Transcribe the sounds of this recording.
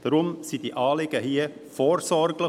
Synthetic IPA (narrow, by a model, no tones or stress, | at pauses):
d̥əɾʊmsid̥iʔɑːlɪɡ̥əhiːəfoːɾsɔɾɡlə